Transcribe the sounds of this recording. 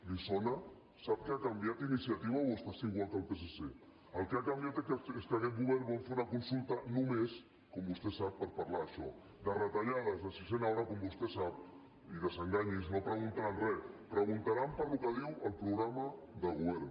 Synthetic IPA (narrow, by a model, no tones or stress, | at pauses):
lisona | sap̚kəakambiat̪inisiat̪iβaoβust̪aseiɣwalˠk̪əlˠpesese | əlˠkeakambjat̪eeskakɛt̪̚ɣuβɛɾbɔmfeɾunakunsulˠt̪anumes | kɔmbust̪esapːəɾpaɾlaːʃɔ̰ | d̪ərət̪aʎaðəzðəsisenawɾakɔmbust̪esap̚ | iðəzəŋɡaɲiznopɾəɣunt̪aɾanrɛpɾəɣunt̪aɾampəɾlukəðiwəlˠpɾuɣɾama | ðəɣuβɛɾ